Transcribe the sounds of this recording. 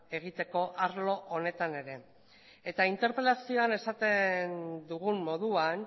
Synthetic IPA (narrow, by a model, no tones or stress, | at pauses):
e̞ɣ̞it̪e̞ko̞ʔaɾlo̞ʔone̞t̪ane̞ɾe̞ | et̪aint̪e̞ɾpɾelasio̞ane̞sat̪e̞nd̪uɣ̞umːo̞ð̞uan